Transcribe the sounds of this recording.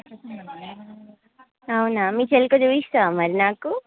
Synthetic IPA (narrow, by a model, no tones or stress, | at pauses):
ɐwunamiːt͡ʃelikod͡ʒuːist̪aːmɐɾinaːku